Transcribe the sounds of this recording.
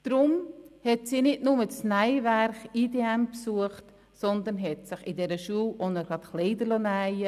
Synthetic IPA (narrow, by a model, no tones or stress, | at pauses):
d̥ɾʊmhɛtsiːnɪtnʊməsnæɪvæɾχiːdeɛmpsuəχt | sɔnd̪ənɦɛtsɪχɪdɛɾəʃuːwʔɔnəɡɾɑt̪χleɪd̪əlonæɪə